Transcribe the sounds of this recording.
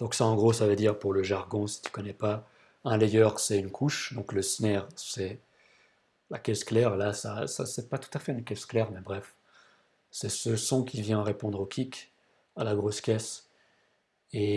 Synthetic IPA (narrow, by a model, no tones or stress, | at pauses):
d̪̥ɔ̃ksaɑ̃ɡʁosavəd̪iʁpuʁləʒaʁɡɔ̃si̥t̪y̥kɔnɛpa | ɛ̃lɛjœʁsɛynkʰuʃd̪ɔ̃kləsnɛʁsɛ | lakʲɛsklɛʁlasasa̰sɛpat̪u̥t̪afɛynkʲɛsklɛʁmɛbʁɛf | sɛsəsɔ̃kʰʲivjɛ̃ʁepɔ̃d̪ʁokʲʰik | alaɡʁoskʲɛs | e